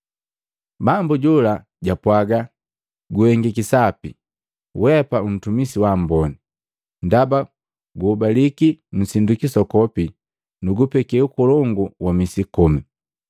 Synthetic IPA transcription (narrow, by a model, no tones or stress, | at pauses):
bambuɟula | ɟapwaɡa | ɡuhɛŋɡikisapi | wɛpaun̩tumisiwambɔni | ndaba | ɡuːbalikin̩sindukisɔkɔpi | nuɡupɛkɛukɔlɔŋɡuwamisikɔmi